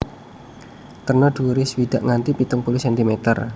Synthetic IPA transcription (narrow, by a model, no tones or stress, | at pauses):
t̪ərnɔɖ̪̥uɾɪswid̪̥aʔŋant̪ipit̪ʊŋpulɪsɛnt̪imet̪ə̰r